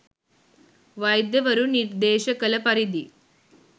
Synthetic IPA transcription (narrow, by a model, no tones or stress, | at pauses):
ʋɐjd̪jɐʋɐɾuniɾd̪eːʃɐkɐlɐpɐɾid̪i